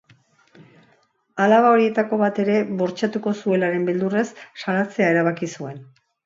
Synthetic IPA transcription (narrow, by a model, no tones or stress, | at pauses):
alaβao̞ɾie̞t̪ako̞βat̪e̞ɾe̞βo̞ɾt͡ʃat̪uko̞sue̞laɾe̞mbild̪ure̞sːalat͡se̞ae̞ɾaβ̞akisue̞n